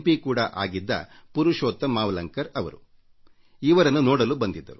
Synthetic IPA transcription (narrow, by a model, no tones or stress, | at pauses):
pikuːɽɐʔa̰ːɡid̪ːɐ̰puɾuʃoːt̪ːɐmaːʋɐlɐŋkɐɾɐʋɐ̰ɾu | iːʋɐɾɐnːunɔːɽɐlubɐnd̪id̪ːɐɾu